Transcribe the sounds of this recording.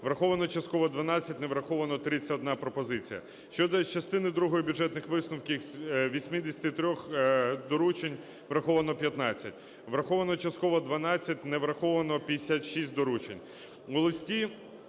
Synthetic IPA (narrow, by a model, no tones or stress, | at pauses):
ʋɾɐxɔʋɐnɔt͡ʃɐst̪̚kɔʋɔd̪ʋɐnɑt͡sʲːɐtʲneʋɾɐxɔʋɐnɔt̪ɾɪt͡sʲɐɔd̪nɑpɾɔpɔzɪt͡sʲijɐ̰ | ʃt͡ʃɔd̪ɔt͡ʃɐst̪ɪnɪd̪ɾuɦɔjibʲʊdd͡ʒɛt̪nɪxʋɪsnʊwkʲisʲʋʲisʲmʲid̪esʲɐ̥t̪ɪt̪ɾʲɔxd̪ɔɾut͡ʃenʲ | ʋɾɐxɔʋɐnɔpʲjɐt̪nɑt͡sʲːɐtʲ | ʋɾɐxɔʋɐnɔt͡ʃɐst̪kɔʋɔd̪ʋɐnɑt͡sʲːɐtʲnɛʋɾɐxɔʋɐnɔpʲɐesʲat̪ʃisʲt̚ʲd̪ɔɾut͡ʃenʲ | ɔlˠɪsʲtʲi